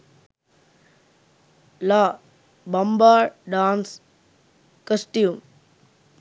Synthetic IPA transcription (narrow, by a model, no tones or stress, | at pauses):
laː | bɐmbaːɾɖãːns | kəsʈjuːm